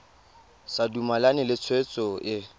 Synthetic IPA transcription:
sadumalanɪlɪt͡sʰwet͡sʼɔʔɪ

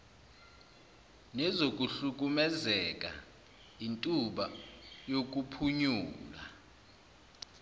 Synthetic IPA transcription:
nɛzok̬ʼuɬuk̬ʼumɛzɛk̬ʼa̰ | intʼuɓajok̬ʼupʰuɲuːla̰

